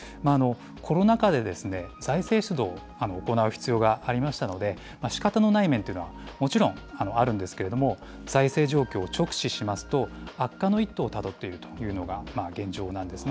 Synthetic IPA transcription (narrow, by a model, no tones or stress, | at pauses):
maːno̞ | kʰo̞ɾo̞nakad̪e̞d̪e̞sɨne̞zaise̞ːɕɨd̪o̞ː | anoːko̞naɯ̟çi̥t͡sɨjo̞ːɡaaɾʲimaɕi̥t̪ano̞d̪e̞ | maɕi̥kat̪ano̞naimẽ̞nt̪ei̟noamo̞t͡ɕiɾõ̞ŋano̞aɾɯ̟̃nd̪e̞sɨ̥ke̞ɾe̞d̪o̞mo̞ | z̥aise̞ːʑo̞ːkʲo̞ːt͡ɕo̞kɯ̟̥ɕiɕimasɨ̥t̪o̞akːano̞it̪ːo̞ːt̪ad̪o̞t̪ːe̞iɾɯ̟t̪o̥jɯ̟ːno̞ɡamaɡẽ̞ɲ̟d͡ʑo̞ːnãnd̪e̞sɨn